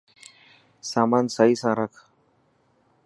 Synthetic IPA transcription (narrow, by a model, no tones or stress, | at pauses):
saːmaːnsaːɦiːsãːɾəkʰ